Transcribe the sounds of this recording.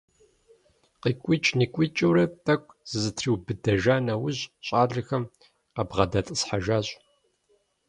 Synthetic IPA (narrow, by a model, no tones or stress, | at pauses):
qiːkʷʼit͡ʃʼniːkʷʼit͡ʃʼɐwɾɐtʰʼɐkʷʰʼz̥ɨzɨtʰriːwbɨdɐʒaːnɐwʊʑɕʼaːɮɨxɐm | ɐbʁɐdɐtʼɨsħaʒaːɕʼ